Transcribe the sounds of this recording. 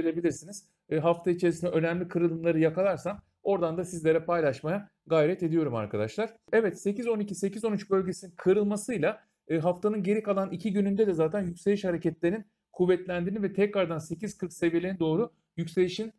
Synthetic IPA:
elʲe̞bilʲiɾsiniz̥ | ɦaft̪ʰait͡ʃʰe̞ɾis̬ind̪ɛø̞næmlʲikʰɯɾɯlˠɯmlˠaɾɯjakalˠaɾsan | o̞ɾd̪and̪asizlʲe̞ɾɛpajlˠaʃmaja | ɡajɾɛt̪e̞d̪ijo̞ɾuma̰ɾkʰad̪aʃlˠaɾ̥ɛvɛt̪se̞cizo̞nicʰise̞cizo̞nyt͡ʃbø̞lʲɟesininkʰɯɾɯlˠmasɯjlˠa | ɦaft̪ʰanɯnɟe̞ɾikalˠanicʰiɟynynd̪ɛd̪ɛzaːt̪ʰænjycse̞liʃhaɾecɛt̪lʲeɾin | kʰuvːɛt̪lʲænd̪iːnivɛt̪ʰɛcɾaɾd̪anse̞cʰiz̥kʰɯɾksevijelʲenɛd̪o̞ːɾu | jycse̞liʃin

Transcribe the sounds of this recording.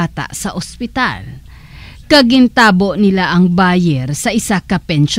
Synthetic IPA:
at̪a̰ʔsɐʔospɪt̪a̰l | kɐɡɪnt̪aːbo̞ʔnɪlaʔɐŋbaːjɛɾsɐʔɪsakɐpɛnʃ

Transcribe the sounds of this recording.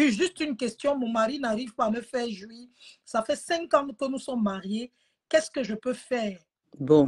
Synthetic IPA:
yʒyst̪ynkɛst̪jɔ̃mɔ̃maʁinaʁivpaːməfɛːʁʒyisafɛsɛ̃kɑ̃kənusɔmːaʁje | kɛskəʒəpøfɛːʁ | bɔ̃

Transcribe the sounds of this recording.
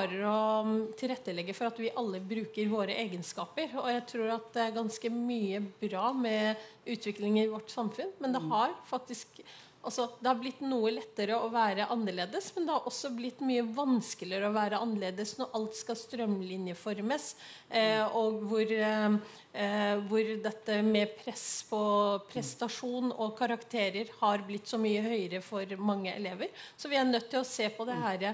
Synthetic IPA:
ɾəɾɔt̪ʰɪlɾɛt̪ːəlɛɡːəfɔɾɑt̪ʋɪʔɑlːəbɾʉːkəɾʋoːɾəʔeːɡənskɑːpəɾɔjæɪt̪ʰɾuːɾɑt̪̚d̪ɛæɾɡɑnskəmyːəbɾɑːmɛʉːt̪ʰʋɪklɪŋəɾɪʋɔʈːsɑmfʉnmɛnd̪ɛhɑɾfɑk̚t̪ɪsk | ʔɑlsɔd̪ɛhɑɾblɪt̪ːnuːəlɛt̪ːəɾəɔʋæːɾəʔɑnːəɭeːd̪əsmɛnd̪ɛhɑɾʔɔsːɔblɪt̪ːmyːəʋɑnskələɾɔʋæːɾəɑnːəleːd̪əsnɔɾʔɑlt̪skɑst̪ɾœmlɪnjəfɔɾməs | ɔɡʋʊɾ | ʋʊɾd̪ɛt̪ːəmɛpʰɾɛspʰɔpʰɾɛst̪ɑʂuːnɔkʰɑɾɑkt̪ʰeːɾəɾhɑɾblɪt̪ːsɔmyːəhœʏəɾəfɔɾmɑŋːəʔɛ̰leːʋəɾsɔʋɪæɳœt̪ːɪlɔseːpʰɔd̪ɛɦæːɾə

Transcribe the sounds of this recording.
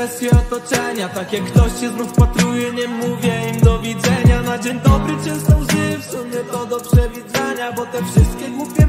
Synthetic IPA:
ɛst̪ʲjɛɔt̪ɔt͡ʂɛɲat̪akjakːt̪ɔɕɕɛznufpat̪ɾujɛɲɛmːuvʲjɛimd̪ɔvʲid̪zɛɲanad͡ʑɛɲt̪ɔpɾɨt͡ɕɛst̪ɔwʐɪfsumʲjɛt̪ɔd̪ɔpʂɛvʲid̪zɛɲabɔt̪ɛfʂɨst̪̚kʲɛɡwupʲkʲɛ

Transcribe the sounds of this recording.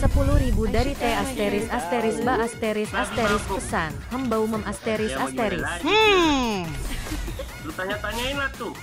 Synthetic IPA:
səpuluhɾibudaɾit̪ɛast̪eɾɪsast̪eɾɪsbaʔast̪eɾɪsast̪eɾɪspəsanhəmbauməmast̪eɾɪsast̪eɾɪs | ɾut̪aɲat̪aɲainlaht̪u

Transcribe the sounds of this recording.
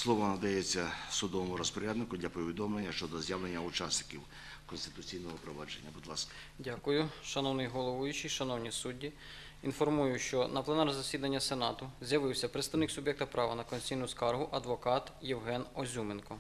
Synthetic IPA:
slˠɔʋɔnɐd̪ɐjet͡sʲːɐsʊd̪ɔʋɔmʊɾɔspɔɾʲad̪nɪkʊd̪lʲɐpɔʋʲid̪ɔmlˠenʲːɐʃt͡ʃɔd̪ɔzjaʋlenʲːɐʊt͡ʃasnɪ̥kʲiw | kɔnst̪ɪ̥t̪ʊt͡sʲijnɔɦɔpɾɔʋɑd͡ʒenʲːɐbʊd̪lˠɑskɐ̥ | dʲakʊjʊʃɐnɔwnɪjɦɔlˠɔʋʊjʊt͡ʃijʃɐnɔwnʲisudʲːi | infɔrmujʊʃt͡ʃɔnɐplˠɛnɑɾrzɐsʲid̪ɐnʲːɐsenɑt̪ʊzʲjɐʋɪwsʲɐpɾɪt̪st̪ɐwnɪksʊbjɛk̚t̪ɐpɾɑʋɐnɐkɔnʲt͡sʲsʲijnʊskɑrɦʊʔɐd̪ʋɔkɑt̪jɛwɦɛnɔzʲumenkɔ

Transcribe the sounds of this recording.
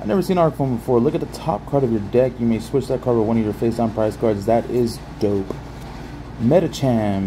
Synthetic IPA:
aɪnɛvə˞sĩñɑɹɾfõʊ̃nbəfɔɹlʊkɨt̪̚ðətʰɑp̚kʰɑɹɾʌvjə˞dɛkjɨmeɪswɪt͡ʃðɨt̚kʰɑɹvə˞wʌ̃ñʌjə˞feɪsnpʰɹ̥aɪskʰɑɹdzðɨɾɪz | d̥oʊp | mɛɾɨtʰæ̃m

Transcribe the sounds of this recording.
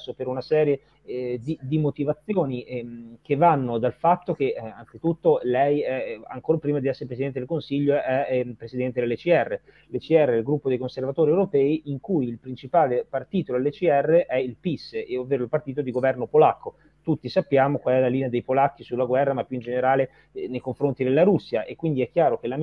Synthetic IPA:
sːopeɾunasɛːɾje | d̪id̪imot̪ivat̪sːjoːnikevːanːod̪alfat̪ːok̟ea̰nt̪sit̪ut̪ːolɛjɛa̰ŋkoːɾopɾiːmad̪iɛsːeɾepɾesid̪ɛnt̪ed̪elkonsiʎːoɛpːɾesid̪ɛnt̪ed̪elːet͡ʃiɛrːe | let͡ʃiɛrːeɛlɡɾupːod̪ejkonservat̪oːɾiewɾopɛːiʔiŋkujilpɾint͡ʃipaːlepart̪iːt̪od̪elːet͡ʃiɛrːeʔɛilpisːeovːeːɾoilpart̪iːt̪od̪iɡovɛrnopolakːo | t̪ut̪ːisapːjaːmokwalɛlːaliːnead̪ejpolak̟ːisulːaɡwɛrːamapːjuind͡ʒeneɾaːle | nejkoɱfɾont̪id̪elːaɾusːjaʔekwind̪iɛkːjaːɾok̟ela

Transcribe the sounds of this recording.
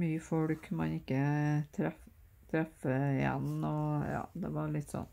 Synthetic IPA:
myːəfɔɽkmɑnɪkːət̪ʰɾɛ | t̪ʰɾɛfəɪjɛ̰nɔjɑ̰ːd̪ɛʋɑɾɭɪt̪ːsɔ̰nː

